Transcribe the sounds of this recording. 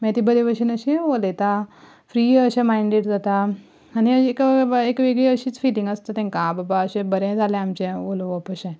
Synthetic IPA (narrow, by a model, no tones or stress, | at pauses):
mɛ̃t̪ibəɾeʋəʃinəɕĩʋolet̪a | fɾiːəɕẽmaiɳɖeːʈd͡zat̪a | aniəekekʋeɡɭeəɕit͡sfilĩŋɡəst̪at̪ẽŋkãbəbaəɕẽbəɾẽd͡zalẽamt͡ɕẽʋoloʋəpəɕɛ̃